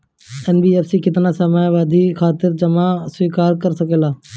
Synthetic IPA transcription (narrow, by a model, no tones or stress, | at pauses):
ɛːnbiːɛːfsikɪt̪naːsəmaːjʋaːd̪ʱikʰaːt̪ɪɾd͡ʒəmaswiːkaːɾkəɾsəkeːlaː